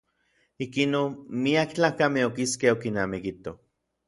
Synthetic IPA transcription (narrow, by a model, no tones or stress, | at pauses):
ikinonmiakt͡ɬaːkameokiskehokinaːmikit̪o